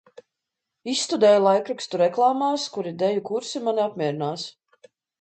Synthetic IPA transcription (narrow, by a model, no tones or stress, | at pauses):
isːt̪ud̪ɛːjulˠajkɾikst̪uɾɛklˠaːmaːskuɾid̪ɛjukuɾsimaniapmʲiɛɾinaːs